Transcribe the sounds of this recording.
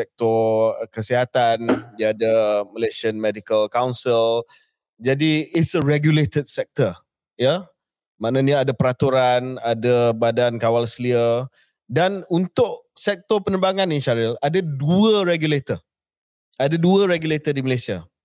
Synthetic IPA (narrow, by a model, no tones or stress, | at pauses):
sɛk̚t̪ɔkəsiɦat̪aniaːdaməleʃənmɛdikəlkawnsil | d͡ʒadiɪtsəɹɛɡjulet̪əd̚sɛk̚t̪ə | ja | maʔnãniaadapəɾat̪uɾanadabadankawalsəliə | danunt̪ʊʔsɛk̚t̪ɔpənəbaŋaninʃaɾiladaduəɾɛɡjulet̪ə | adaduəɾɛɡjulet̪ədiməlasia